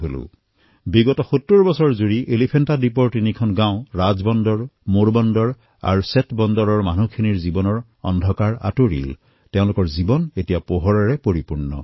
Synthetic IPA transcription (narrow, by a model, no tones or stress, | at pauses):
ɦolʊ̰ | biɡɔtɔxutːuɹbɔsɔɹzuɹiʔelipʰentadip̬ɔɹtinikʰɔnɡãʊ̃ɹazbɔndɔɹmoɹbɔndɔɹ | a̰ɹusetbɔndɔɹɔɹmanukʰiniɹzibɔnɔɹ | ɔ̰ndʱɔkaɹa̰toɹḭl | teʊ̃lʊkɔɹzibɔnetijapɔɦɔɹaɹɛpoɹipuɹnɔ̰